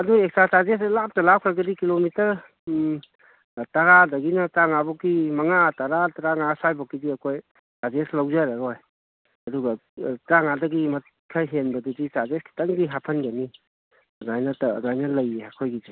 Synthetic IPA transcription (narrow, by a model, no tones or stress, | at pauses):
ɐduek̚sasazes̬elap̚tɐlawkʰɾɐɡɐdikilomitɐɾ | tɐɾadɐɡinɐtɾaŋabɔkːimɐŋataɾataɾaŋasajbɔkːidiɐkʰoj | sazeslɐwd͡ʒaɾaɾoj | ɐduɡɐtɾaŋadɐɡimɐt | kʰajɦenbɐdudisazeskʰi̥tɐŋɡiɦapʰɐnɡɐni | ɐzajnɐtːzajnɐlɐjeakʰojɡid͡ʒi